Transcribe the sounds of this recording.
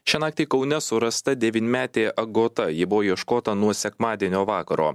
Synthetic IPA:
ʃʲɛnɑːk̚t̪ʲɛɪkɒʊnʲɛsʊɾɐst̪ɐd̪ʲɛʋʲiːnʲɪmʲæːt̪ʲeːʔɐɡoːt̪ɐjɪbʊʋoːiɛʃkoːt̪ɐnuɔsʲɛkmɑːd̪ʲiɛnʲoːʋɑːkɐɾo̰ː

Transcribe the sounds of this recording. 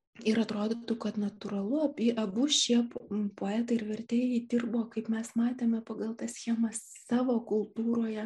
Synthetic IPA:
ɪɾɐt̪ɾoːd̪ot̪ukɐt̪nɐt̪ʊɾɐlˠʊɐpʲɪʔɐbʊʃʲiɛppoːæːt̪ɐɪɪɾʋʲɛɾʲt̪ʲeːjɛɪd̪ʲirboːkɐɪpmʲɛsmɑːt̪ʲeːmʲɛpɐɡɐlˠt̪ɐssʲxʲeːmɐs | sɑːʋoːkʊlˠt̪uːɾoːjɛ

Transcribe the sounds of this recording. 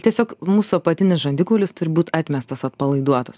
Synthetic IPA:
t̪ʲiɛsʲoːkmuːsʊɐpɐt̪ʲɪnʲɪsʒɐnʲd̪ʲɪkʊːlʲʊst̪ʊɾʲɪbuːt̪ɑːt̪ʲmʲɛst̪ɐsɐt̪pɐlˠɐɪd̪uɔt̪os

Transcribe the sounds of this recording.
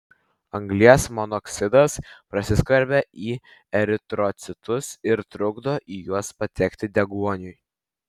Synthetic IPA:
ɐŋɡlʲiɛsmɔnɔksʲɪd̪ɐspɾɐsʲɪskʋɐɾʲbʲɛʔiː | ɛɾʲɪt̪ɾɔt̪sʲɪt̪ʊsɪɾt̪ɾʊɡd̪oːʔiːjuɔspɐt̪ʲɛkʲt̪ʲɪd̪ʲɛɡuɔnʲʊj

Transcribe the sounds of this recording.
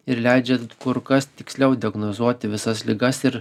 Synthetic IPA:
ɪɾlʲæɪd͡ʒʲɛkʊɾkɐst̪ʲɪksʲlʲɛʊd̪ʲɪɐɡnozuɔt̪ʲɪʋʲɪsɐslʲɪɡɐsɪɾ

